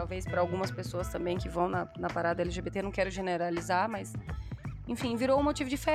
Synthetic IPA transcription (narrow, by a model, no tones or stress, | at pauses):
awvespɾɐawɡũmɐspesoɐst̪ɐ̃mbẽj̃kɪvɐ̃w̃nɐnɐpaɾad̪ɐɛlɪʒebet̪enɐ̃w̃kɛɾʊʒeneɾalizaɾmɐs | ẽfĩviɾoũmot͡ʃivʊd͡ʒɪfe